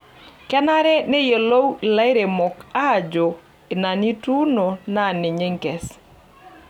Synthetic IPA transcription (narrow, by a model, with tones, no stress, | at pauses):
kɛ˦na˦ɾɛ˦ne˦je˨lo˦wi˨la˦ɪ˦ɾe˨mɔ˨ka˦˨d͡ʒo˨ | ɪ˨na˨ni˦tu˦no˨na˦˨nɪ˨ɲe˦ŋkɛ˨s